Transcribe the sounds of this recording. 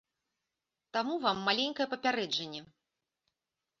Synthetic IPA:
t̪amuvamːalʲenʲkɐjɛpɐpʲaɾɛd͡ʐɐnʲːɛ

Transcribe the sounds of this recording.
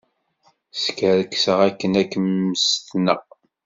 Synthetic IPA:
skəɾəkːsəʁækːənækːəmːəst̪nəʁ

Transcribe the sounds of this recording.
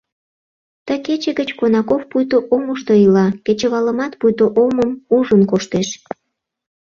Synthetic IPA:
t̪əket͡ɕeɣət͡ɕkonɑkofpujt̪oʔoməʃt̪oilɑket͡ɕə̆βɑləmɑt̪pujt̪oʔoməmuʒənkoʃt̪eʃ

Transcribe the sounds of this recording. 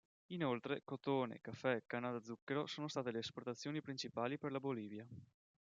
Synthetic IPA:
inolt̪ɾekot̪oːnḛkafːɛkanad̪ad̪zːukːeɾosoːnost̪aːt̪eleːsport̪at̪sːjoːnipɾint͡ʃipaːliperlaboliːvja

